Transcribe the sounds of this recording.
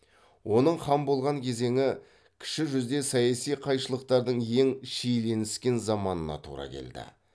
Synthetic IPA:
wʔo̞nəɴχɑmbo̞lˠʁɑŋkʲʰe̞ze̞ŋɪ | kʲʰɪ̥ʃɪʒʏzd̪e̞sɑjɑsijqʰɑjʃəlˠəq̚t̪ɑɾd̪əɴe̞ŋʃejle̞nɪskʲe̞nzɑmɑnənɑ̰t̪ʰṵɾɑ̰kʲʰe̞̰ld̪ɪ̰

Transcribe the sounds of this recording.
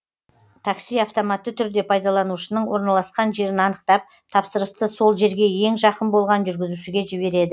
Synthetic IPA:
t̪ʰɑksijɑft̪o̞mɑt̪ːət̪ʰʏɾd̪e̞pʰɑjd̪ɑlˠɑnuʃənəɴwo̞ɾnɑlˠɑsqɑnʒe̞ɾɪnɑnəq̚t̪ɑp̚ | t̪ʰɑpsəɾəst̪əso̞lˠʒe̞ɾɡʲe̞je̞ŋʒɑqənbo̞lˠʁɑnʒʏɾɡʲɪzuʃɪɡʲe̞ʒɪβe̞ɾe̞d̪ɪ

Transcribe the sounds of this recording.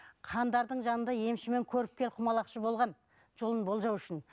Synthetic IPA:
qʰɑnd̪ɑɾd̪əɴʒɑnənd̪ɑje̞mʃɪme̞ŋkʲʰɵɾɪp̚kʲe̞ɾqʰʊmɑlˠɑqʃəbo̞lˠʁɑn | ʒ̥olˠənbo̞lˠʒɑwʏʃɪn

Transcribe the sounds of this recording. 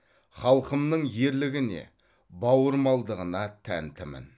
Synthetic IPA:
χɑlˠqəmnəɴje̞ɾlɪɡʲɪne̞̰ | bɑwəɾmɑlˠd̪əʁənɑt̪ʰæ̰nt̪ɪmɪ̰n

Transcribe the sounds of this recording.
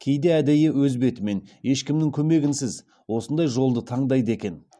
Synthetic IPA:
kʲʰe̞jd̪eæd̪ejɪwɵzbe̞t̪ɪme̞ne̞ʃkʲɪmnɪŋkʲʰɵme̞ɡʲɪnsɪz | wo̞sənd̪ɑjʒo̞lˠd̪ət̪ʰɑɴd̪ɑjd̪əe̞kʲe̞n

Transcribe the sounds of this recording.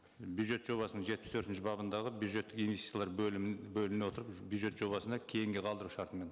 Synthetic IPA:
bjud̪ʒe̞t̪ʒ̥o̞βɑsənəɴʒe̞t̪̚pɪst̪ʰɵɾt̪ɪnʃɪbɑbənd̪ɑʁəbjud̪ʒe̞t̪ːɪkinvesi̥t̪jalˠɑɾbɵlɪneo̞t̪əɾəpbjud̪ʒe̞t̪ʒ̥o̞βɑsənd̪ɑkʲʰe̞jɪŋɡʲe̞qʰɑlˠd̪əɾuʃɑɾt̪əme̞n

